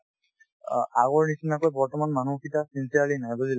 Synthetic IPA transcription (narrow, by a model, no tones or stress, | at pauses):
aɣɔɹnisinakojbɔɹtɔmanmanukʰitasinsiaɹlinajbɔzil